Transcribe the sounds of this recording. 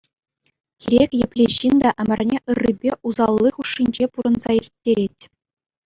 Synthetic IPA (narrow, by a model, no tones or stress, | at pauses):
kʲiɾʲekʲjɘ̆pʲlʲeɕːind̪ɑʔɘ̆mʲɘ̆rʲnʲeʔɯrːibʲeʔuzɑlˠːiχuʂːinʲd͡ʑepuɾɤ̆nzɑirʲtʲːeɾʲetʲ